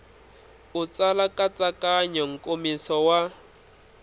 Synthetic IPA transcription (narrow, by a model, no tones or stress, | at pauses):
ut͡sʼalakʼat͡sʼakʼaɲɔŋ̩kʼomisɔwa